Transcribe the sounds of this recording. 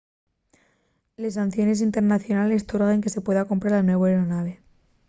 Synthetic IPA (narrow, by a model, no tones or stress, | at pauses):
le̞s̬anθjo̞ne̞s̬int̪e̞ɾnaθjo̞nale̞st̪oɾɣeŋke̞se̞pwe̞ðako̞mpɾaɾanwe̞βoeɾonaβe̞